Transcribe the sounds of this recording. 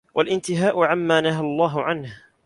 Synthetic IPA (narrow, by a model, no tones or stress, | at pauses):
wʔalʔɪnt̪ɪɦaːʔʊʕamːaːnaɦalˤːɑːɦʊʕanh